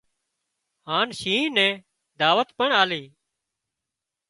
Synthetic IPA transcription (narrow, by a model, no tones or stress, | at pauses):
haːnʃĩːnɛ̃ː | d̪aːʋət̪pəɳaːliː